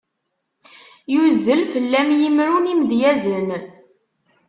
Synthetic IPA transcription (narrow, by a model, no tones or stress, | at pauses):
juzːəlfəlːæmjimɾunimðjæzən